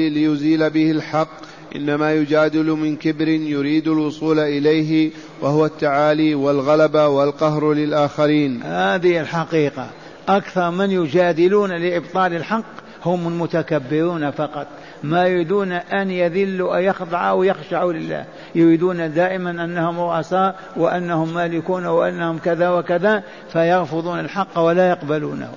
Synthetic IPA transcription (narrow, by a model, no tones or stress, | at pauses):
lɪjʊziːlabɪhɪlħɑqː | ʔɪ̰nːamaːjʊd͡ʒaːd̪ɪlmɪnkɪbɾɪnjʊɾiːd̪alwʊsˤuːlaʔɪlajɦɪ | wahʊwat̪ːaʕaːliːwalɣalabawalqɑɦɾlɪlʔaːxaɾiːnhaːd̪ɪɪlħɑqiːqa̰ | ʔakθɑɾˤmɪnjʊd͡ʒaːd̪ɪluːnalɪʔɪbt̪ˤɑːlɪlħɑqː | hʊmɪlmʊt̪akabːɪɾuːnafɑqɑt̪ˤ | majʊɾiːd̪uːnaʔanjaðɪlːuʔajɑxd̪ˤɑʕawjɪxʃaʕulɪlːa̰ːh | jʊɾiːd̪uːnad̪aːʔɪmanʔanːahʊmɾʊʔɑsaːʔ | wɪʔanːahʊmːaːlɪkuːnawʔanːahʊmkaðawɪkaða | fajɑɣfʊðˤuːnalħɑqːwalajɑqbalṵːn̰h